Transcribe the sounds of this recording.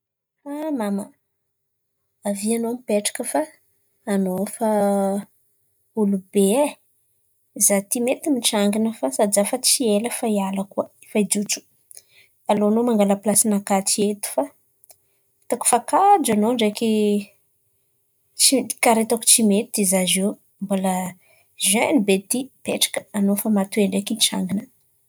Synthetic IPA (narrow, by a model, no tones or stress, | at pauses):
amama | avianomipeʈ͡ʂḁkəfaː | nofa | ulubee | izat̪imet̪imiʈ͡ʂaŋɡinəfasad̪izafat͡sieləfaialakuə | faid͡ʒuʈ͡ʂu̥ | aloanomaŋɡaləplasinakat͡siet̪u̥fa | t̪aku̥fakad͡ʒanoɳɖ͡ʐeki | t͡ʃikaɾet̪aku̥t͡ʃimet̪id̪izaze | mbolə | ʒønibet̪ipeʈ͡ʂḁkə̥anofamat̪ueɳɖ͡ʐekiʈ͡ʂa̰ŋɡinə